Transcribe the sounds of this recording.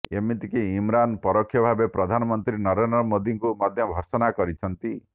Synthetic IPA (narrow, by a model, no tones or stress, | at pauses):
emit̪ikeimɾanpɔɾɔkʰːjɔbʱabepɾɔd̪ʱanɔmɔnt̪ɾinɔɾend̪ɾɔmod̪iŋkumad̪ʱjɔbʱɔɾsɔnakɔɾit͡ʃʰɔnt̪i